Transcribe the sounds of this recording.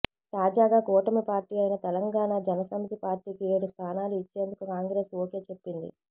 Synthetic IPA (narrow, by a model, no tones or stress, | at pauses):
t̪aːd͡ʒaːɡaːkɔːʈɐmipaːɾʈiːɐjnɐt̪ɛlɐŋɡaːɳaːd͡ʒɐnɐsɐmit̪ipaːɾʈiːkie̞ːɽust̪ʰaːnaːluit͡ʃːe̞ːnd̪ukukaːŋɡɾe̞ːsoːke̞t͡ʃe̞pːind̪ḭ